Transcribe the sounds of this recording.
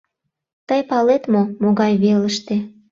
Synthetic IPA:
t̪əjpɑlet̪momoɣɑjβeləʃt̪e

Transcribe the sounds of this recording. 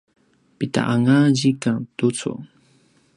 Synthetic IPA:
pɪt̪a̰ʔaŋaʒikaŋt̪ʊt͡sʊ̰

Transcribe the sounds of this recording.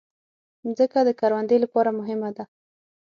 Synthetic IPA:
zəkad̪əkaɾwand̪əjlapɑɾamʊɦɪmad̪a

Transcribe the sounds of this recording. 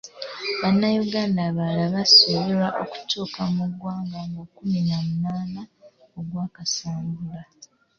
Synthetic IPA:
βanːajuɡaːndaβalaβasoβeɾaʔo̰ku̥tuːkamuɡwaːmaŋɡakuminamunaːna | oɡwaːkasaːmɡula

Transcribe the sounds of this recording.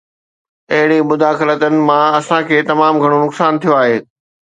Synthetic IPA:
ɐɦɪɽimʊd̪ʱaːxɪlət̪ənɪ̆mãɐsãkʰeːt̪ɐmaːmɡʱɐɽ̃onʊksaːnt̪ʰijoaːɦeː

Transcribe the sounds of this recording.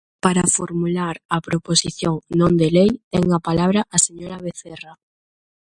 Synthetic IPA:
paɾafo̰ɾmulaɾapɾoposiθjoŋnõnd̪elejt̪ɛŋapalaβɾaʔaseɲoɾaβeθɛra

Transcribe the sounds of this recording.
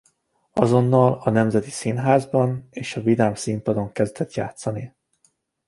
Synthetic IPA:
ɒzo̞nːɒlɒnɛmzɛt̪i̥sinɦaːzbɒneːʃɒvid̪amsimpɒd̪o̞ŋkɛzd̪ɛt̪ja̰ːt̪sɒni

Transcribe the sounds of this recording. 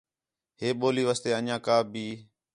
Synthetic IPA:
ɦeːɓoːliːʋaːst̪eːəɲãːkaːbʱiː

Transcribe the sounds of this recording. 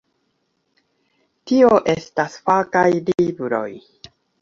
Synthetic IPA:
tioʔe̞stasfakajlibɾo̞̰j

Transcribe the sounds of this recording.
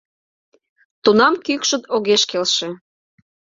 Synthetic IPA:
t̪unɑmkykʃə̆t̪oɣeʃkelʃe

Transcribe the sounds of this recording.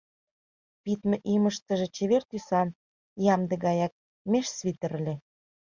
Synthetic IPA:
pit̪mĕʔiməʃt̪ə̆ʒĕt͡ɕeβert̪ysɑn | jɑmd̪ĕɣɑjɑk̚ | meʃsβit̪ə̆ɾəlʲĕ

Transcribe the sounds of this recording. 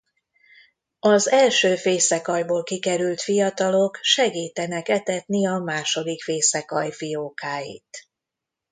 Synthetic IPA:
ɒzɛlʃøːfeːsɛkɒjboːlkikɛɾylt̪fijɒt̪ɒlo̞kʃɛɡiːt̪ɛnɛkɛt̪ɛt̪niɒmaːʃo̞d̪ikfeːsɛkɒjfijoːkaːjḭt̪

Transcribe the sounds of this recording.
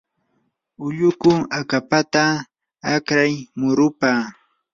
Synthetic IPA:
ʊʎʊkʊakapat̪aː | kɾajmʊɾʊpaː

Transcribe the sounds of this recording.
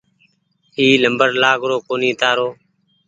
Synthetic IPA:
iːləmbəɾlaːɡɾoːkoːniːt̪aːɾoː

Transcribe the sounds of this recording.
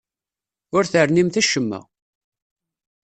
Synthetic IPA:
ʊɾθəɾnimθæʃəmːæ̰

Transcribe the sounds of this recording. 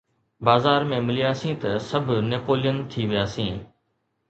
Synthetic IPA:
baːzaːɾmẽːmɪlɪjaːsĩːt̪ɐsəbʱneːpoːlɪjənt̪ʰiːʋɪjaːsĩː

